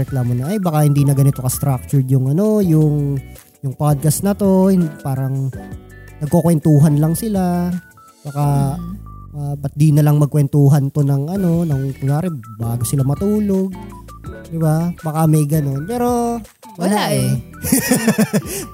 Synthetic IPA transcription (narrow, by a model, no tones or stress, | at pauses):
ɛklaːmonɐʔɐjbɐkahɪnd̪iːnɐɡɐnɪt̪o̞kɐst̪ɾak̚t͡ʃʊɹd̪jʊŋɐno̞jʊŋ | jʊŋpad̪̚kɐst̪nɐt̪o̞hɪpaːɾɐŋ | nɐɡ̚kokwɛnt̪uːɦɐnlɐŋsɪla | b̥ɐka | ʔabɐt̪̚d̪inɐlɐŋmɐɡ̚kwɛnt̪uːɦɐnt̪o̞nɐŋɐno̞nɐŋk̪ʊŋjaːɾɛbaːɡosɪlamɐt̪uːlo̞ɡ̚ | d̪ɪbabɐkamɐjɡɐno̞npɛːɾo̞ | mɐlaaʔɛ